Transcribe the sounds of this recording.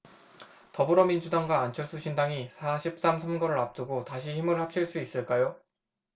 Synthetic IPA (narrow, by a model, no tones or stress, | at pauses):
tʌbɯɾʌmind͡ʑudaŋɡwaːnt͡ɕʰʌɭs͈uɕʰindaŋisʰaɕʰip̚s͈amsʰamɡʌɾɯɾap̚t͈ɯɡotaɕʰiçimɯɭhap̚t͡ɕʰiɭs͈uis͈ɯɭk͈ajo